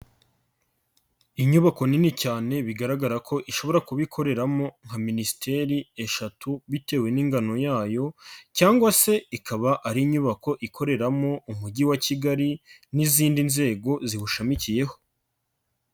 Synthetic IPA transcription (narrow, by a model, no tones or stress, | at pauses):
iɲuβako̞ninicaːne̞βiɡaɾaɡaɾakʰo̞ʔiʃo̞βo̞ɾakuβikʰo̞ɾe̞ɾamo̞ŋ̥haminisi̥tʰe̞ɾie̞ʃatuβite̞ːwe̞niːŋɡano̞jaːjo̞caːŋɡwase̞ikaβaʔaɾiɲuβako̞ʔikʰo̞ɾe̞ɾamo̞ʔumuɟiwaciɡaɾiniziːndinze̞ːɡo̞zihuʃamicije̞ho̞